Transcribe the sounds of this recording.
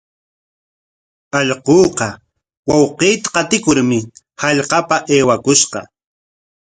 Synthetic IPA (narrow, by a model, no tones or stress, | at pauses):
ɑʎqoːqɑ | wɑwqejt̪ḁqɑt̪ɪkʊɾmɪ | hɑʎqɑpaʔeːwakʊʃqɑ̰